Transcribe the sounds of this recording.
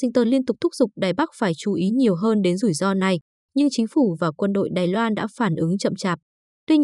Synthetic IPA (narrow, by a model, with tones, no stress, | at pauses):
sï˧ŋt̪əː˧nli˧ənt̪ʊ˨˩k͡p̚t̪ʰʊ˦˥k͡p̚z̥ʊ˨˩k͡p̚ɗaː˨˩jɓa˦˥k̚faː˧˩jt͡ɕu˧˩ʔi˨˦ɲi˨˩əwɦəː˧nɗe˨˦nzu˧˩jzɔ˧na˨˩j | ɲɨ˧ŋt͡ɕï˨˦ŋ̟fu˧˩vaː˨˩kwə˧nɗo̰˧˨jɗaː˨˩jlwaː˧nɗa̰ː˧˥faː˧˩nʔɨ˨˦ŋt͡ɕə̰˧˨mt͡ɕaː˨˩p̚ | t̪wi˧ɲ